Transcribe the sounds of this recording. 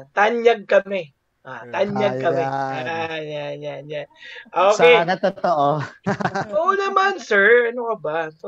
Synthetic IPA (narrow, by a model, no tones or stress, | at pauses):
t̪aɲjaɡ̚kɐmɛ | ʔa̰t̪anjaɡ̚kɐmɛajanjanjanʔoːkɛjnɐt̪ot̪oʔo | onɐmansɛɹɐnokɐbaso